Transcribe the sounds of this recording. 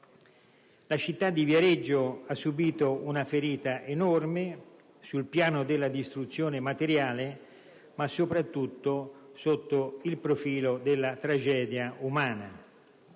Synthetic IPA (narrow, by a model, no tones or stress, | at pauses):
lat͡ʃit̪ːad̪ːivjaɾed͡ʒːoasːubiːt̪ounafeɾiːt̪aʔenɔrme | sulpjaːnod̪ɪlːad̪ist̪ɾut̪sːjoːnemat̪eɾjaːle | masːopɾat̪ːut̪ːosot̪ːoilpɾofiːlod̪elːat̪ɾad͡ʒɛːd̪jaumaːna